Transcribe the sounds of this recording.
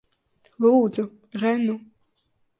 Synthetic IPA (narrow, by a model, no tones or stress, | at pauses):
lˠuːd̪zu | ɾɛnu